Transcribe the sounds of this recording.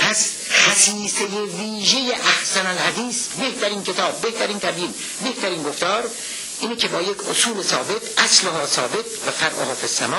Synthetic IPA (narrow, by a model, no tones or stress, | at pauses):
pʰæs | xæsiːsejeviːʒejeʔæhsænælhæd̪iːsbeht̪ʰæɾiːnkʰe̞t̪ʰɒːb̚ːe̞ht̪ʰæɾiːnt̪ʰæbjiːn | beht̪ʰæɾiːnɡoft̪ɒːɾ | ʔiːnekʰe̞bɒːjecʰosuːlesɒːbe̞t̪ʰʔæsloɦɒːsɒːbe̞t̪ʰvæfæɾʔo̰hɒːfesːæmɒː